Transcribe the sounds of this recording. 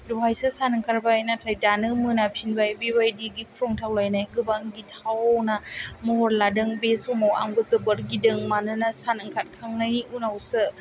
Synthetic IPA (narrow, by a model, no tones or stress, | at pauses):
duɦajsɯsanɯŋkʰaɾbajnatʰajdanɯmɯnapʰinbajbibajdiɡikʰɾɔŋtʰawlajnajɡɯbaŋɡitʰawnamɔɦɔɾladɯŋbesumawa̰ŋɡɯzɯbɯɾɡidɯŋmanɯnasanɯŋkʰat̚kʰaŋnajniunawsɯ